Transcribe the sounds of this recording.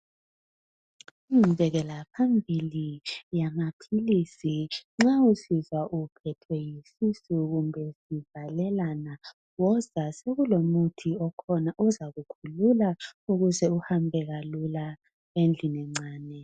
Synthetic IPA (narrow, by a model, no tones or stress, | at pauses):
ivɛɣɛlapʰambʱilijamapʰilisiŋ͡ǁausizwaʔupʰɛtʰwɛjisisuɣumbʱɛsivalɛlana | wɔz̥aseɣulomutʰiɔkʰɔnaʔuzaɣukʰululauɣuzɛuhambʱɛɣalula | end͡ɮʱinɛŋ͡ǀaːnɛ